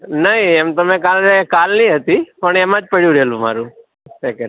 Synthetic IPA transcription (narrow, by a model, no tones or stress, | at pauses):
nəɦĩemt̪əmekalkalnĩɦət̪ipəɳemãd͡ʒpəɽjũɾəɦelũma̰ɾũ | sekəɾ